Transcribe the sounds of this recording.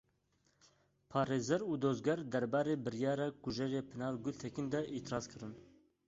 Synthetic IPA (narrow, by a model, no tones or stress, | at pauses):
pʰɑːɾeːzɛɾuːd̪oːzɡɛɾd̪ɛɾbɑːɾeːbɨɾjɑːɾɑːkuʒɛɾeːpʰɨnɑːlɡult̪ʰɛkind̪ɛʔit̪ʰɾɑːzkʰɨɾɨn